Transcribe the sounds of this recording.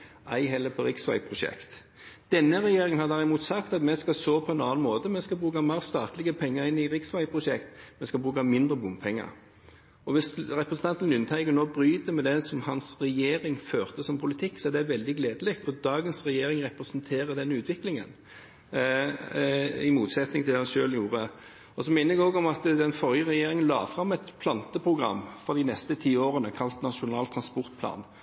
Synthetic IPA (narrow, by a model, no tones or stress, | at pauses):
ʔæ̰ɪɦɛlːəpʰɔɾɪksʋæ̰ɪpʰɾʊʃɛ̰kt̪ | d̪̥ɛnːəɾɛjeːɾɪŋənhɑd̪æʁɪmuːt̪sɑkt̪ɑt̪mɛskɑsoːpʰɔɛnɑːɑnmoːt̪əmɛskɑbʁʉːkɑmeːʁst̪ɑːt̪lɪɡəpʰɛŋːəɾɪnːɪɾɪksʋæɪpʰɾʊʃɛkt̪mɛskɑlbʁʉːkɑmɪnd̪ɾəbʊmpʰɛŋːə̰ɾ | ɔʋɪsɾɛpɾəsən̩t̪ʰɑnt̪n̩ʉnːət̪ʰæɪɡənoːbɾyːd̪əmɛd̪ɛsɔmhɑnsʁɛjeːɾɪŋføːʁt̪əsɔmpʰʊlɪt̪ʰɪkːsɔæd̪ɛʋɛld̪ɪɡleːd̪əlɛkt̪ɔd̪ɑːɡənsʁɛjeːɾɪŋʁɛpɾɛsənt̪ʰeːɾəd̪ɛnʉːt̪ʰʋɪklɪŋə̰n | ɪmuːt̪sɛt̪nɪŋɪlɛːhɑnʃøːljuːɾə | ɔsɔmɪnəɾɛɡoːɡɔmɑt̪d̪ɛnfɔʁjəʁɛjeːɾɪŋənlɑ̰ːfɾɑmːɛt̪pʰlɑnt̪əpʰɾʊɡʁɑ̰mːfɔd̪ɪnɛst̪ət̪ʰiːoːʁənəkʰɑlt̪nɑʂʊnɑːlt̪ʰɾɑnspɔʁt̪pʰlɑ̰ːn